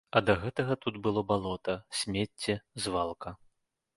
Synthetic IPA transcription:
ɐd̪ɐɣɛt̪ɐɣɐt̪ut̪bɨlˠɔbalˠɔt̪ɐsʲmʲet͡sʲːɛzvalˠkɐ

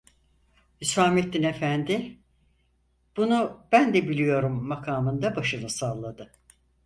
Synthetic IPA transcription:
hysaːmet̪̚d̪ːine̞fænd̪ɪ | b̥unub̥ænd̪ɛbilʲijo̞ɾumːakʰaːmɯnd̪abaʃɯnɯsalˠːad̪ɯ

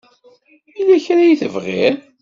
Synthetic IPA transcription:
ilæçɾajiθəvʁḭɾ

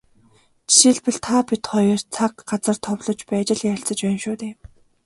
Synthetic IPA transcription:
t͡ɕi̥ʃiɮpɘ̆ɮt̪ʰapit̪χɔjɞr̥t͡sʰakɢat͡sə̆r̥t̪ʰɔwɮɞ̆t͡ɕpæːt͡ɕɪ̆ɮjăɬt͡sə̆t͡ɕpæːnʃuːt̪eːm

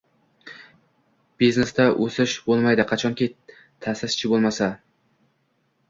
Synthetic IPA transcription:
b̥iznest̪aʔɵsɪʃbolˠmajd̪ɪqʰɑt͡ʃʰɒŋkʲʰi | t̪ʰasɪst͡ʃʰɪbolˠmasa

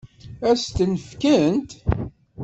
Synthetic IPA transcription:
æst̪ənəfkənt̪

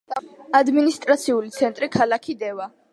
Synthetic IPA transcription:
ad̪minist̪ʼɾat̪sʰiulit̪sʰɛnt̪ʼɾikʰalakʰid̪ɛva

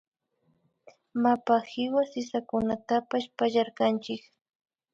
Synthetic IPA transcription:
mapahɪwasɪsakʊnat̪apaʃpaʎaɾkant͡ʃɪk

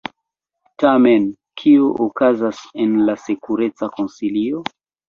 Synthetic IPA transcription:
tamen | kʰioʔokazasenlasekuɾe̞t͡sako̞nsilio

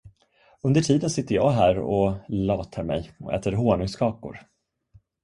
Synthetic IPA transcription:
ɵnd̪əʈʰiːd̪ənsɪt̪ːəjɑːɦæːɾɔlɑːt̪ʰaɾmɛ̰jɔʔɛ̰ːt̪əɾɦoːɳɵŋskʰɑːkʊ̰ɾ

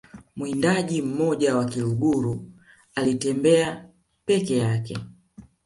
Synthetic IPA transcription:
mwindaʄim̩mɔʄawakiluɡuɾu | alitɛmbɛa | pɛkɛjakɛ

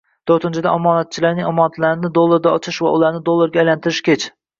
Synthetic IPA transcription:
t̪ʰoɾt̪ʰɪnt͡ʃʰɪd̪aʔɒmɒːnat̪̚t͡ʃʰɪlaɾnɪŋɒmɒnat̪laɾɪnɪd̪olˠːaɾd̪ʲaɒt͡ʃʰɪʃvaʊlˠaɾnɪd̪olˠːoɾɡʲaːjlant̪ʰɪɾɪʃkʲʰet͡ʃʰ

